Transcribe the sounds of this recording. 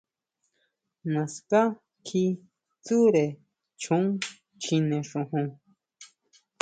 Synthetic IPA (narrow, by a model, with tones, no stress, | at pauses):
na˨ska˦ | kʰi˦ | t͡su˦ɾe˨ | t͡ʃʰu˦ŋ | t͡ʃʰineʂuhũ˧ŋ